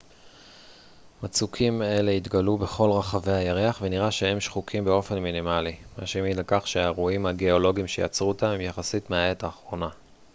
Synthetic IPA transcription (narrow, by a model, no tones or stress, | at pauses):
mat͡sukʰime̞le̞it̪ɡalube̞χo̞lʁaχave̞hajaʁeaχveniʁaʃe̞he̞mʃχukʰimbeo̞fe̞nminimalimaʃemilakaχʃeaʁuimhaɡe̞o̞lo̞ɡimʃeja̰t͡sʁuot̪amemjaχasitmeae̞taːχʁo̞na